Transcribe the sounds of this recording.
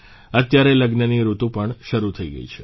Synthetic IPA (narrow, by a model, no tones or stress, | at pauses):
ət̪jaɾeləɡnəniɾut̪ũpəɳʃəɾut̪ʰəiɡə̰it͡ʃʰe̥